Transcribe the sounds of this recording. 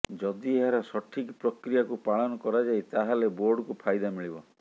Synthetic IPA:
d͡ʒɔd̪ieɦaɾɔsɔʈʰikpɾɔkɾijakupaɭɔnɔkɔɾad͡ʒajt̪aɦaleboɾɖɔkupʰajd̪amiɭibɔ̰

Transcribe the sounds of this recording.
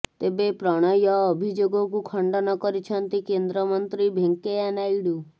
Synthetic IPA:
t̪ebepɾɔɽ̃ɔjɔːbʱid͡ʒoɡɔkukʰɔɳɖɔnɔkɔɾit͡ʃʰɔnt̪ikend̪ɾɔmɔnt̪ɾibʱeŋkeanajɽu

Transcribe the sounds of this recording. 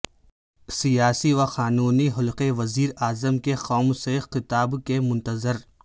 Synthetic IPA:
sijaːsiʋaxaːnuːniɦʊlqeʋɐziːɾaːzəmkexɔːmsexɪt̪aːbkemʊ̃nt̪əzɪɾ

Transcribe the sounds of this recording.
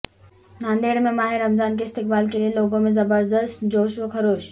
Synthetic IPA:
naːnd̪eːɽmẽmaːɦeɾːəmzaːnkeɪst̪ɪk̚baːlk̬elieloːɡõmẽzɐbəɾd̪əst̪d͡ʑoːʃʋəkʰɐɾoːʃ

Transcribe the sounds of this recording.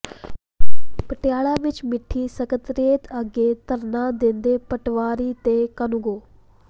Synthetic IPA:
pəʈɪjaːɭãːʋɪt͡ʃmɪʈʰːiːsəkət̪ɾeːt̪ʰəɡeːt̪əɾnãːd̪ɪnd̪eːpəʈʋaːɾiːt̪eːkənʊɡoː

